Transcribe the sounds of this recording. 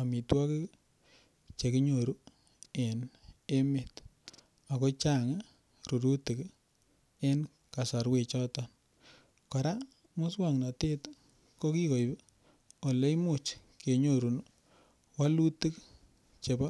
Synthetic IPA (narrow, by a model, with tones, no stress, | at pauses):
a˨mi˨twɔ˦ke˦ | t͡ʃe˨ki˦ɲo˨ɾu˦ | e˨ne˦me˨t | a˨ko˦t͡ʃa˦˨ŋ | ɾu˨ɾu˦tɪ˨k | e˦n | ka˨sa˨ɾwe˨t͡ʃɔ˦tɔ˦n | kɔ˨ɾa˦ | mʊ˦swa˨ŋna˨te˦t | ko˦ki˦ko˨jb | o˨le˦i˦mʊ˨t͡ʃke˨ɲo˨ɾu˨n | wa˦lu˦ti˦k | t͡ʃe˨ba˦